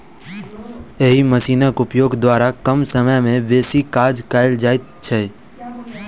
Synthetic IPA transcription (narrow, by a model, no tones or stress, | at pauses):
eɦiməsinəkupjoɡd̪ʋaɾakəmsəməjmẽʋesikad͡ʒkaeld͡ʒajt̪t͡ʃʰe